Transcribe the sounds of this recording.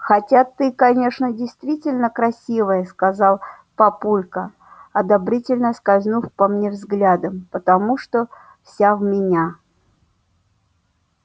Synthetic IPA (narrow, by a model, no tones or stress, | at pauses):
xɐtʲat̪ːɨkɐnʲe̞ʂnədʲɪjst̪vʲitʲɪlʲnəkɾɐsʲivəjəskɐzɑlˠ | pɐpulʲkə | ɐd̪ɐbɾʲitʲɪlʲnəskɐzʲnufpɐmnʲevzɡlʲad̪əmpət̪ɐmuʂt̪o | fsʲavmʲɪnʲa